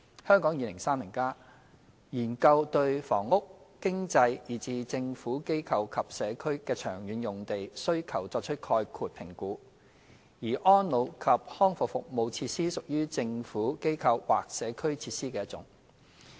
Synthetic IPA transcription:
hœː˥ŋkɔː˨˥ŋjiː˨˧lɪ˨˩ŋsaː˥mɪ˨˩ŋkaː˥ | jiː˨˩nkɐ˧wt̪ɵ˧ɥfɔː˨˩ŋːʊ˥k̚ːɪ˥ŋt͡sɐ˧jjiː˨˩t͡siː˨˧t͡sɪ˧ŋfuː˨˥ke˥jkʰɐ˧wkʰɐ˨p̚sɛː˨˧kʰɵ˥ɥkɛː˧t͡ʃʰœː˨˩ŋjyː˨˥njʊ˨ŋt̪e˨jsɵ˥ɥkʰɐ˨˩wt͡sɔː˧k̚t͡ʃʰɵ˥t̚kʰɔː˧jkʰuː˨˧t̚pʰɪ˨˩ŋkuː˨˥ | jiː˨˩ʔɔː˥nlo˨˧wkʰɐ˨p̚hɔː˥ŋfʊ˨fʊ˨k̚mo˨˧wt͡sʰiː˧t̚siː˥sʊ˨k̚jyː˥t͡sɪ˧ŋfuː˨˥ke˥jkʰɐ˧wwa̰ː˨k̚sɛː˨˧kʰɵ˥ɥt͡sʰiː˧t̚siː˥kɛː˧jɐ˥t̚t͡sʊ̰˨˥ŋ

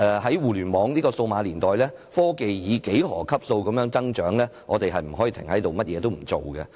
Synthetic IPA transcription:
ʔɛː˧ɦɐ˨˥jwuː˨lyː˨˩nmɔː˨˧˥ŋliː˥kɔː˧so˧wmaː˨˧liː˨˩nt̪ɔː˨jlɛː˥ | fɔː˥ke˨jjiː˨˧ke˨˥jhɔː˨˩kʰɐ˥p̚so˧wkɐ˨˥mjœː˧˥ŋt͡sɐ˥ŋt͡ʃœː˨˥ŋlɛː˥ŋʔɔː˨˧t̪e˨jɦɐ˨jm̩˨˩ɔː˨˥jiː˨t̪ʰɪ˨˩ŋhɐ˨˦jt̪o˨wmɐ˥t̚jɛː˨˧t̪o˥wm̩˨˩t͡so˨˩wɡɛ̰˧

